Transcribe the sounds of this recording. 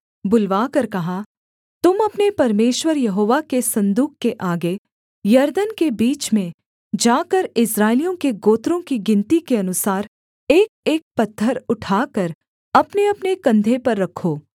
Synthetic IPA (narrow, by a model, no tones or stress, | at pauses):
bʊlʋaːkɐɾkɐɦa | t̪ʊmɐpnepɐɾmeːʃwəɾjɐɦoːʋakesɐ̃nd̪uːkːeʔaːɡe | jɐɾd̪ənkebiːt͡ʃmẽ | d͡ʒaːkəɾɪsɾaːɪlijõkeɡoːt̪ɾõkiɡɪ̃nt̪ikeɐnʊsaːɾ | eːk̚eːk̚pɐt̪ʰːəɾʊʈʰaːkɐɾ | ɐpneɐpnekɐ̃nd̪ʱepɐɾːɐkʰːoː